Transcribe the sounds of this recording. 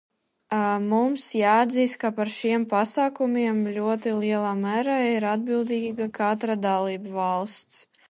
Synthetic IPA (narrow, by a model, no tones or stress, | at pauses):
mumsjaːad̪ziːst̪̚kapaɾʃiɛmpasaːkumʲiɛmlʲuɔt̪iliɛlˠaːmæːɾaːiɾad̪̚bilˠd̪iːɡakʰat̪ɾad̪alˠiːbvalˠst̪s